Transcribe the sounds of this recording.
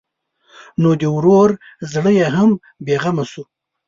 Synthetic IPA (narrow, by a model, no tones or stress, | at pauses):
nod̪əwɾoɾ | zɽəjeɦam | beɣamasu